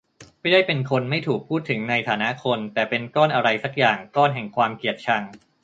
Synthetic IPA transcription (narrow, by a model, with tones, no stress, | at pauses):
ma˥˩jdaː˥˩jpe˧nkʰo˧nma˥˩jt̪ʰuː˨˩k̚pʰːuː˥˩t̪ʰːɯ˩˦ŋna˧jt̪ʰaː˩˦na˦˥ʔkʰo˧nt̪ɛː˨˩pe˧nkɔː˥˩nʔa˧ɾa˧jsa˦˥k̚jaː˨˩ŋkɔː˥˩nɦɛ˨˩ŋkʰwaː˧mki˨˩ət̪̚t͡ɕʰa˧ŋ